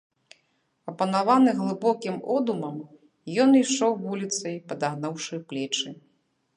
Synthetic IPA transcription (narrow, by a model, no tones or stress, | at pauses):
ɐpɐnavanɨɣlˠɨbɔkʲimɔd̪umɐm | jɔniʂɔwvulʲit̪sɐjpɐd̪aɣnawʂɨplʲɛt͡ʂɨ